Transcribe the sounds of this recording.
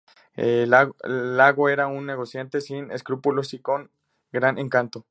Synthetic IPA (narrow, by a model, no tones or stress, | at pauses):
elalaɣoe̞ɾaunːe̞ɣ̞osjant̪e̞sinḛskɾupulosiko̞ŋ | ɡɾanʔeŋkant̪o̞